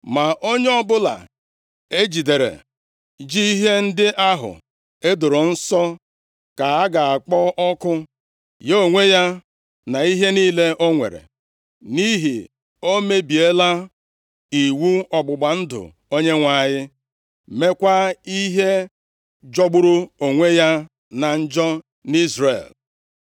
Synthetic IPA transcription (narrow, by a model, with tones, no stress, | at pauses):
ma˨ʔo˦ɲe˦ɔ˦bʊ˦la̰˨ | e˦d͡ʒi˨de˨ɾḛ˨ | d͡ʒi˦i˦ɦe˦n̩˦dɪ˦ʔa˦ɦʊ̰˨ | e˦dʊ˨ɾʊ˨n̩˦sɔ˦ | ka˨a˦ɡa˨a˨k͡pɔ˦ʔɔ˦kʊ˦ | je˦o˨ŋʷe˦ja˦ | na˨i˦ɦe˦niː˦le˦ʔo˦ŋʷḛ˨ɾḛ˨ | ni˦ɦi˨ | o˦me˦bi˨e˦la˦ | i˨wu˦ɔ˨ɡ͡bʊ˨ɡ͡ba˨n̩˦dʊ̰˨ | o˦ɲe˦ŋʷa˦˨ɲɪ˦ | me˦kʷa˦i˦ɦe˦ | d͡ʒɔ˦ɡ͡bʊ˦ɾʊ˦o˨ŋʷe˦ja˦ | na˨n̩˦d͡ʒɔ˦ | ni˦zrḛ˨l